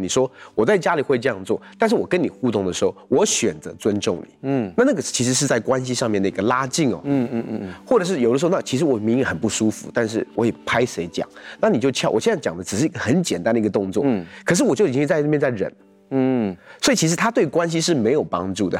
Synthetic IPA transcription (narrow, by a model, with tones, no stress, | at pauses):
ni˨˩ʂwɔ˥wɔ˨˩t͡sa˥˩ɪt͡ɕja˥li˨˩xwe˥˧ɪʈ͡ʂɤ˥˧jɑ˥˧ŋt͡swɔ̰˥˩t̪a˥˧nʂ̬ɻ̩˥˩wɔ˨˩kə˦ni˨˩xu˥˧t̪ʊ˥˩ŋd̪ə˩ʂɻ̩˧˥xo˥˩ʊwɔ˧˥ɕɥɛ˨˩nt͡sɤ˧˦t͡swə˥nʈ͡ʂʊ˥˩ŋnḭ˨˦na˥˧na˥˩ɡə˩t͡ɕʰi˧˥ʂɻ̩˧˥ʂ̬ɻ̩˥˧t͡sa˥˩ɪkwa˦nɕ̬i˧˥ʂɑ˥˧ŋmjɛ˥˩nd̪ə˩i˧˦ɡə˧la˥t͡ɕi˥˩ŋɔ̰˩ | xwɔ˥˩ʈ͡ʂɤ˨˩ʂ̬ɻ̩˥˩jd̪ə˧˥˧na˥˩t͡ɕʰi˧˥ʂ̬ɻ̩˧˥wɔ˨˩˦mi˧˥ŋi˧xə˨˩npu˥˩ʂu˥fṵ˧˥t̪a˥˧nʂ̬ɻ̩˥˩wɔ˧˥jɛ˨˩pʰa˥ɪʂe˧˥ɪt͡ɕjɑ̰˨˩˦ŋna˥˩ni˨˩t͡ɕjo˥˧ʊt͡ɕʰɑ˥˩˨wɔ̰˨˩ɕɛ˥nt͡sa˥˩t͡ɕɑ˨˩ŋd̪ə˦ʈ͡ʂɻ̩˨˩ʂɻ̩˥˩i˧˥ɡə˧xə˧˥nt͡ɕjɛ˨˩nt̪a˦nd̪ə˨˧ɡə˧t̪ʊ˥˧ŋt͡swɔ˥˩kʰɤ˨˩ʂɻ̩˥˩wɔ˨˩t͡ɕji˩t͡ɕĩ˥t͡sa˥˧ɤ˥˩mjɛ˥˧nt͡sa˥˩ɪɻə̰˧˥˦n | swɔ˧˥i˨˩t͡ɕʰi˧˥ʂ̬ɻ̩˧˥t̪ʰa˥t̪we˥˩ɪkwa˥nɕ̬i˥ʂ̬ɻ̩˥˩me˧˥ɪjo˨˩ʊpɑ̰˥ŋʈ͡ʂu˥˩d̪ə̰˩